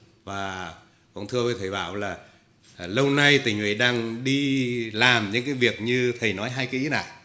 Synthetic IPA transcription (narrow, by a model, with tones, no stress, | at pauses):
vaː˨˩ | kɔ̰˧˨nt̪ʰɨ˧əvəː˨˦jt̪ʰə˨˩jɓa̰ː˧˨wlaː˨˩ | lə˧wna˧jt̪ï˨˩ŋhwḭ˧˩˦ɗaː˧ŋɗi˧laː˨˩mɲɨ̰˧˥ŋkaː˨˦jvi˨˩ək̚ɲɨ˧t̪ʰə˨˩jnɔ˨˦jɦaː˧jkːi˨˦na̰ː˧˨